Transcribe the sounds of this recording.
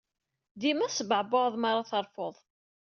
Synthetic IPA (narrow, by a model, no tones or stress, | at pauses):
ðimæsəbʕboðˤmɑɾˤɑθɑɾˤfoðˤ